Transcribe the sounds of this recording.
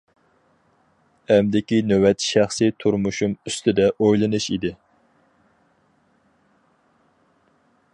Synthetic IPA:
ɛmd̪ɪkʲinøwɛt̪ʰʃæχsɨt̪ʰuɾmuʃumyst̪ʰɪd̪ɛʔojlˠɨnɨʃid̪ɪ

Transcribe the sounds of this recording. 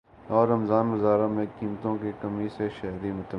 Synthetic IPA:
ɔːɾɐmzaːnʋɐzaːɾamẽkiːmt̪õkekɐmiseʃɐɦɾimʊt̪ə

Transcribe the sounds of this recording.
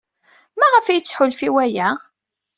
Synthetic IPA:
mæʁəfæjət͡sːħʊlfiwæjæ

